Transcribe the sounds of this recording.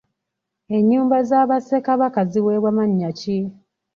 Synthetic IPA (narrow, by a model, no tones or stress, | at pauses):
e̞ɲːuːmbazaːβasekaβakaziweːβwamaɲːaci